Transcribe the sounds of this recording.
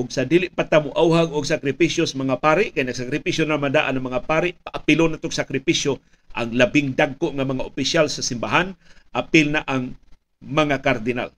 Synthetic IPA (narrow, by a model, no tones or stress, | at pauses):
ʔʊɡ̚sad̪iːlɪʔpat̪amʊʔawɦaɡʊɡ̚sakɾɪpisjosamaŋapaːɾɪʔkajnɐɡsakɾɪpisjonamand̪aʔanaŋmɐŋapaːɾɪʔpaʔapɪlonat̪oɡsakɾɪpisjo | ʔaŋlɐbɪŋd̪aɡ̚koʔŋamɐŋaʔʊpɪsjalsasɪmbaɦanʔapɪlnaʔaŋ | mɐŋakaɾd̪ɪna̰l